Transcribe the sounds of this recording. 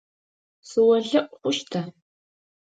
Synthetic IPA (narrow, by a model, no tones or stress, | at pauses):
sɨwɐɮɐʔʷʼχʷʊʃtʰa